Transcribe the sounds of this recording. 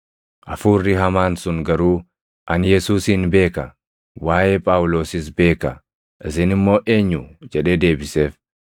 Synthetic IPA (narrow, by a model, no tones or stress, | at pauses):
ʔɐfuːrːɪɦɐmaːnsʊŋɡɐɾuː | ʔɐnjɛsuːsɪnbe̞ːkɐ | waːʔeːpʼaːwʊlo̞ːsɪs̬be̞ːkɐ | ʔɪsɪnɪmːo̞ːʔe̞ːɲːʊd͡ʒɛᶑeːd̪e̞ːbɪse̞ːf